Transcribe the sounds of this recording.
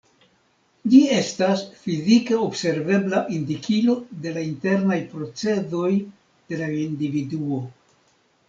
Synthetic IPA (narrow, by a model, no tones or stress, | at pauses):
d͡ʒie̞stasfizike̞obse̞ɾve̞blaʔindikilo̞de̞lainte̞ɾnajpɾo̞t͡se̞do̞j | d̥e̞laindividuo̞